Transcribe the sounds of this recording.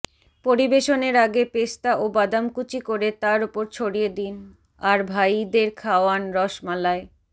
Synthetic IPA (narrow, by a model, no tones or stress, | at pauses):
poɾibeʃoneɾaɡepest̪aʔobad̪amkut͡ɕikoɾet̪aɾupoɾt͡ɕʰoɽijed̪in | aɾbʱajd̪eɾkʰaoanɾɔʃmalae